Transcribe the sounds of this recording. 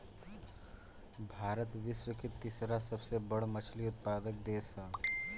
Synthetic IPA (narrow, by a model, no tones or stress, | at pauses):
bʱaːɾət̪ʋɪʃwəket̪ɪsɾasɐbsebəɽmət͡ʃʰliʊt̪̚paːd̪ək̚d̪eːsə